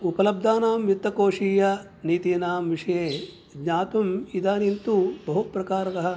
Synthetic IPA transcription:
upɐlɐb̚d̪ʱaːnaːmjut̪ːɐkoːʂiːjɐ | niːt̪iːnaːmʋiʂɐjeː | ɡɲaːt̪ɐmid̪aːnint̪ubɐɦupɾɐkaːɾɐkɐɦɐ̆

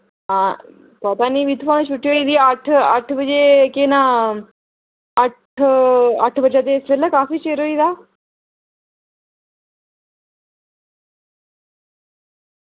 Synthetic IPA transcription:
ã | pap̪aniʋid̪ʱpañt͡ʃʰuʈːijoːid̪iaʈʰəʈʰbəd͡ʒekena | əʈʰ | ɐʈʰbəd͡ʒat̪̬esʋelːakaːfiːt͡ʃeːɾoid̪aː

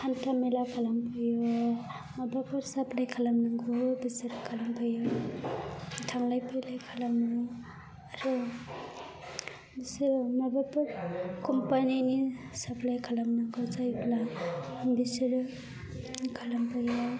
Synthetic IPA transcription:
kʰantamelakʰalampajo | mabapaɾsaplajkʰalamnaŋɡobisiɾkʰalampajo | tʰaŋlajpelajkʰalamni | aɾu | disɾmabapaɾkɔmpanini | sapʰlajkʰalamnaŋɡozajbla | disɾ | kʰalampajo

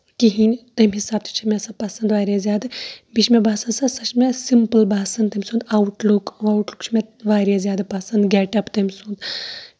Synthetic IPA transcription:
kiɦinʲt̪ɐmʲɦisaːb̚t̪ʰi̥t͡ʃʰimʲesɐpɐsɐnd̪ʋaːɾʲazʲjaːd̪ɨbit͡ʃʰmebʱaːsɐnsɐsɐt͡ʃmʲesimpəlbaːsɐnt̪ɐmʲsũnd̪awʈlukawʈlukt͡ʃʰmʲeʋaːɾʲezjaːd̪ɨpɐsɐnd̪ɡʲeːʈɐpt̪ɐmʲsund̪

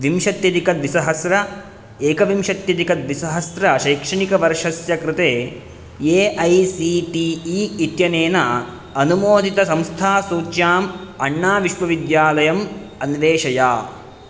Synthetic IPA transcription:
ʋimʃɐt̪jɐd̪ikɐd̪ʋisɐɦɐsɾɐ | eːkɐʋimʃɐt̪jɐd̪ikɐd̪ʋisɐɦɐsɾɐʃɐjkʂɐɳikɐʋɐɾʂɐsjɐkɾɪt̪eː | eːʔɐjsiːʈiiːit̪jɐneːnɐ | ɐnumoːd̪ʱit̪ɐsɐmst̪ʰaːsuːjaːmɐɳːaːʋiʃʋɐʋid̪jaːlɐjɐm | ɐnʋeːʃɐja̰ː

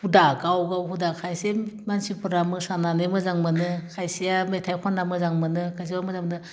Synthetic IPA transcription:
hudakawɡawɦudakʰajsemansipɯɾamɯsananɯmɯzaŋmɯnɯkʰajsijametʰajkʰɔnːamɯzaŋmɯnɯkʰajs̬ibamɯzaŋmɯnɯ

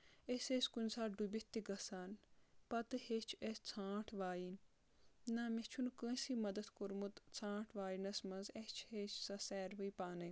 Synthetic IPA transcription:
esesʲkunʲsaːɖubʲit̪ːiɡɐsaːnpɐt̪ɨhet͡ʃʰest͡sʰãːʈʰʋaːjin | namet͡ʃʰunkə̃simɐd̪ɐt̪koɾmut̪t͡sʰãːʈʰʋaːinɐsmɐnzest͡ʃʰheːt͡ʃʰsɐsɛːɾʋɨijpaːnɐ

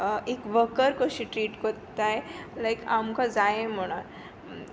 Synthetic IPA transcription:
ekʋəkəɾkəɕiʈɾiːʈkəɾt̪ajlajkamkad͡zajẽm̤əɽ̃aɾ

